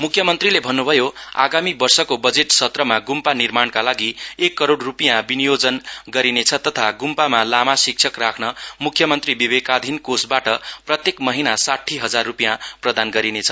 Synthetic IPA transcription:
mukʰjʌmʌnt̪rilebʱʌnːubʱʌjoa̰ɡamibʌrsʌkobʌd͡zeʈsʌt̪rʌmaɡumpanirmaɳkalaɡiekːʌɾoɽrupjãbinijod͡zʌnɡʌɾinet͡sʰʌt̪ʌt̪ʰaɡumpamalamasik̚t͡ʃʰʌkrakʰnʌmukʰjʌmʌnt̪ribibekad̪ʱinkosbaʈʌprʌt̪jekmʌɦinasaʈʰːiɦʌd͡zarːupijãprʌd̪anɡʌɾinet͡sʰʌ̥

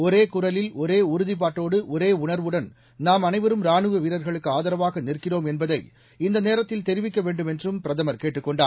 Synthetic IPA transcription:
ɔɾeːkʊrɐlɪlɔɾeːʊɾʊðɪp̬aːʈːoːɽɯʔɔɾeːʊɳɐɾʋɯɽɐn | naːmɐnɐɪʋɐɾɯmɾaːɳɯʋɐʋiːɾɐɾɣɐɭɯkːɯaːðɐɾɐʋaːɣɐnɪrkɪroːmɛnbɐðɐɪ | ɪnd̪ɐneːɾɐt̪ːɪlt̪ɛɾɪʋɪkːɐʋeːɳɖɯmɛndrɯmpɪɾɐðɐmɐɾkeːʈːɯkːɔɳɖaː

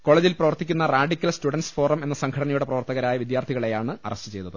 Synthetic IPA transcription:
ko̞ːɭeːd͡ʑilprɐʋɐrt̪ːikʲːunːɐraːɖikʲːɐlstuɽɐnsfo̞ːrɐme̞nːɐsɐŋkʰɐɽɐnɐjuɽe̞prɐʋɐrt̪ɐɣɐɾaːjɐʋid̪jaːrt̪ʰiɣɐɭe̞jaːɳɨɐ̰rɐstɨt͡ɕe̞jt̪ːɐðɨ

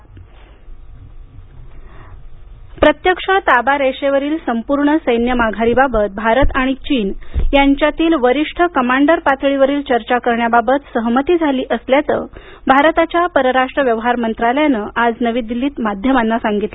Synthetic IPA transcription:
pɾət̪jəkʂət̪abaɾeʂeʋəɾiːlsəmpuɾɳəsəjnjəmaɡʱaɾibabət̪̚bʱaɾət̪aɽ̃it͡ɕiːnjaɲt͡ɕjat̪iːlʋəɾiʂʈʰəkəmaɳɖəɾpat̪ʰɭiʋəɾiːlt͡ɕəɾt͡ɕakəɾɳjababət̪səɦmət̪iːd͡zʱaliːʔəsljat͡sə̰ | bʱaɾt̪at͡ɕjapəɾəɾaʂʈɾəʋjəʋɦaɾmənt̪ɾaləjanəʔad͡znəʋiːd̪ilːiːt̪mad̪ʱjəmanːasaŋɡit̪lə

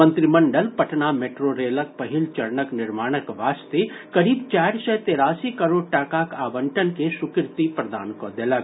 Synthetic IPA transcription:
ənt̪ɾimɐɳɖəlpɐʈnameːʈɾoɾeːlək̚pɐɦilt͡ʃɐɾnəknɪɾmaːɽ̃əkʋaːst̪ekɐɾiːbt͡ʃaːɾsɛt̪eːɾaːsikɐɾoːɖ̚ʈaːkaːkaːbəɳʈənkesʊkɾt̪ipɾɐd̪a̰ːnkod̪elɐk̚

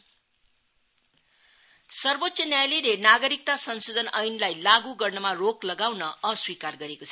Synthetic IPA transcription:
sʌrbot̪sʌnjajlilenaɡʌɾik̚t̪asʌnsod̪ʱʌnʌjnlajlaɡuɡʌrnʌmaroklʌɡawnʌʌswikarɡʌɾekot͡sʰʌ̥

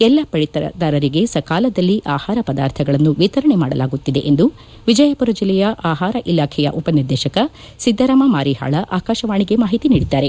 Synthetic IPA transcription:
ɛlːɐpɐɭit̪ɐ̰d̪aːɾɐɾiɡe̞sɐkaːlɐd̪ɐlːiʔaːhaːɾɐpɐd̪aːɾt̪ʰɐɡɐɭɐnːuʋit̪ɐɾɐɳemaːɽɐlaːɡut̪ːid̪e̞ʔend̪u | ʋid͡ʒɐjɐpuɾɐd͡ʒɐlɛjɐʔaːɦaːɾɐʔilaːkʰɛjɐ̰ʔupɐniɾd̪ɛːʃɐkɐ | sid̪ʱːɐɾaːmɐmaːɾiɦa̰ːɭɐʔaːkaːʃɐʋaːɳiɡe̞maːɦit̪iniːɽid̪ːaːɾe̞

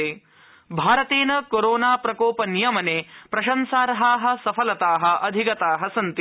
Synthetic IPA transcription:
eː | bʱaːɾɐt̪eːnɐkoɾoːnaːpɾɐkoːpɐnijɐmɐneːpɾɐʃɐnsaːɾɐɦaːɦɐ̆sɐpʰɐlɐt̪aːɦɐ̆ʔɐd̪ʱikɐt̪aːɦɐsɐnt̪

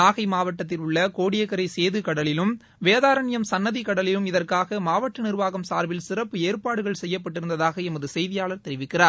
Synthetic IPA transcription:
aːɣɐɪmaːʋɐʈːɐt̪̬ːɪlʊɭːɐkoːɽɪjɐɣɐɾɐɪseːðɯkɐɽɐlɪlɯm | ʋeːðaːɾɐɳɪjɐmsɐnːɐðikɐɽɐlɪlɯmɪðɐrkaːɣɐmaːʋɐʈːɐnɪrʋaːɣɐmsaːɾʋɪlsɪrɐpːɯeːrpaːɽɯɣɐɭsɛjːɐp̬ːɐʈːɪɾɯnd̪ɐðaːɣɐɛmɐðɯsɛjðɪjaːɭɐɾt̪ɛɾɪʋɪkːɪraːɾ

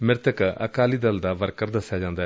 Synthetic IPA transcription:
mɪɾt̪əkə̰kaːliːd̪əld̪aːʋəɾkəɾd̪əsːjaːd͡ʒãːnd̪aː

